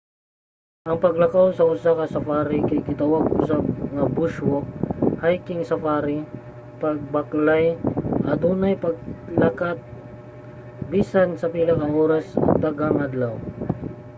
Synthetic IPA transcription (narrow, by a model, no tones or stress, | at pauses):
ʔɐŋpɐɡlɐkawsɐʔʊsakɐsɐfaːɾɪkɐjkɪt̪awaɡ̚ʊsaɡŋɐbuʃwohajkɪŋsɐfaːɾi | pɐɡ̚baklajʔɐt̪uːnajpɐɡ̚lakat̪̚ | biːsansɐpilɐkaʔoːɾɐsɐ̰t̪aɡaŋad̪law